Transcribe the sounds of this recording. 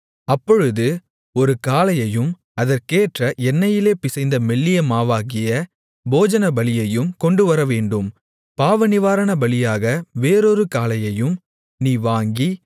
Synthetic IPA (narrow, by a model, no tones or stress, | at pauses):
ɐpːɔɻɯðɯ | ɔɾɯkaːlɐjɐjɯm | ɐðɐɾkeːʈrɐʔɛnːɐjɪleːpɪsɐɪnd̪ɐmɛɭːɪjɐmaːʋaːɣɪjɐ | boːd͡ʒɐnɐbɐlɪjɐjɯmkɔɳɖɯʋɐɾɐʋeːɳɖɯm | paːʋɐnɪʋaːɾɐɳɐbɐlɪjaːɣɐʋeːɾoɾɯkaːlɐjɐjɯm | niːʋaːŋɡi